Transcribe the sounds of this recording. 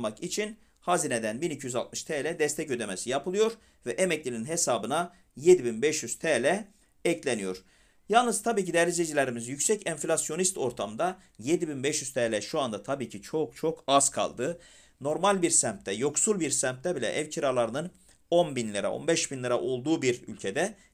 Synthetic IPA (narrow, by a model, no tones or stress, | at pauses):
makit͡ʃʰin | hazined̪ænbinicʰijyzalt̪mɯʃt̪ʰɛːlʲɛd̪ɛst̪ʰɛcø̞d̪e̞mesijapʰɯlˠɯjo̞ɾ | vɛʔemɛclʲininɦesaːbɯna | je̞d̪ibinbɛʃjyz̥t̪ʰɛːlʲɛ | ɛclʲenijo̞ɾ̥ | jalˠnɯz̥t̪ʰabiːcid̪ɛɾlized͡ʒilʲeɾimizjycʲsɛcɛnflʲasjo̞nist̪o̞ɾt̪ʰamd̪a | jed̪ibinbɛʃjyz̥t̪ʰɛːlʲɛʃuand̪at̪ʰabiːcʰit͡ʃʰo̞k̚t͡ʃʰo̞kʰaz̥kʰa̰lˠd̪ɯ | no̞ɾmalʲbiɾsæmt̪ːɛjo̞ksulˠbiɾsæmt̪̚ːɛbilʲɛ̰ʔɛvcʰiɾalˠaɾɯnɯn | o̞nbinlʲiɾa̰o̞̰nbɛʃbinlʲiɾaʔo̞lˠd̪uːbiɾy̰lʲcʰed̪ɛ